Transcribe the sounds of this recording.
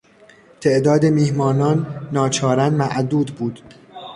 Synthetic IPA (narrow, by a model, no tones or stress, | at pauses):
t̪ʰe̞ʔd̪ɒːd̪emiːhmɒːnɒːnːɒːt͡ʃʰɒːɾænmæʔd̪uːd̪buːd̪̥